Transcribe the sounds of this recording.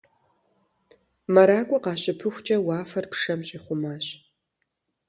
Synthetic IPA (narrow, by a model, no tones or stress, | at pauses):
mɐɾaːkʷʼɔqɑːɕʼɪpʰɨxʷt͡ʃʼɐwaːfɐrpʂɐmɕʼiχʷʊmaːɕ